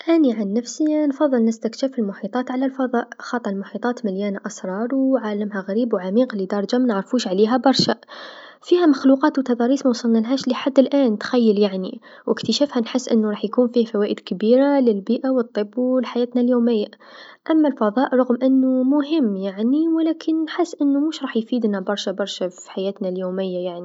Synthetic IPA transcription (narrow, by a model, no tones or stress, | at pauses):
ʔæniʕanːæfsinfɑðˤːɨlnɪst̪akʃafɪlmʊħiːt̪ˤɑːt̪ʕalalfɑðˤɑːʔxɑːt̪ˤːlmʊħiːt̪ˤɑːt̪mɪljæːnaʔɑsɾˤɑːɾˤwʕaːlamɦaɣaɾiːbwʕamiːqlid̪ɑɾˤd͡ʒamænəʕɾˤfuːʃʕleːɦæbɑɾˤʃafiːhæmaxluqɑːt̪wt̪ɑd̪ˤɑɾiːsmɑwsˤɑlnalɦæːʃliħad̪ːəlʔæːnt̪xæjːəljaʕnḭ | wʔɪkt̪əʃæːfhanħɪsːʔɪnːuɾˤɑːħjkuːnfiːhfæwæːʔɪd̪kbiːɾalɪlbiːʔawɨt̪ˤːɨbːlħajæːt̪naljoːmɪjːa | ʔamːalfɑðˤɑːʔɾˤʊɣmʔɪnːʊmʊɦɪmːjaʕniwlæːkʰɪnːħɪsːʔɪnːumuʃɾˤɑːħjfiːd̪nabɑɾˤʃabɑɾˤʃafiiħajæːt̪naljoːmɪjːajaʕni